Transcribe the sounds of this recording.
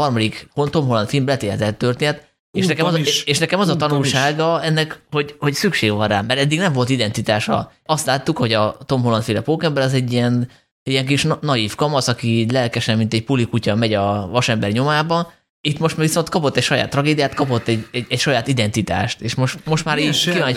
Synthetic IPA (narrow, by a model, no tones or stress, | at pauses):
ɒrmɒd̪ikhont̪o̞mɦolːɒnfilmblɛt̪eːlt̪ɛt̪ːørt̪eːnɛt̪ | eːʃnɛkɛmzeːʃnɛkɛmɒzɒt̪ɒnulʃaːɡɒɛnːɛkho̞ɟho̞csykʃeːɡvɒnraːmɛɾɛd̪ːiɡnɛɱvo̞lt̪id̪ɛnt̪it̪aːʃɒ̰ | ɒst̪laːt̪ːukho̞ɟɒt̪o̞mɦolɒnfilɛpoːkɛmbɛɾɒzɛɟːiɛn | ijɛŋk̬iʃnnɒjiːfkɒmɒsɒkiiːɟlɛlkɛʃɛmːint̪ɛcpulikucɒmɛɟɒvɒʃɛmbɛrɲo̞maːbɒ | it̪mo̞ʃt̪mːviso̞nt̪kɒpo̞t̪ːɛcʃɒja̰ːt̪ːrɒɡeːd̪ijaːt̪kɒpo̞t̪ːɛɟɛɛcʃɒjaːt̪id̪ɛnt̪it̪a̰ːʃt̪eːʃmo̞ʃt̪mo̞ʃt̪maːɾiːkivɒnɛ